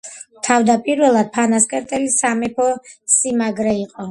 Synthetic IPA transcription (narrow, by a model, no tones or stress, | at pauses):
t̪ʰavd̪apʼiɾvɛlˠad̪̥̚pʰanaskʼɛɾt̪ʼɛlisamɛpʰɔsimaɡɾɛiqʼɔ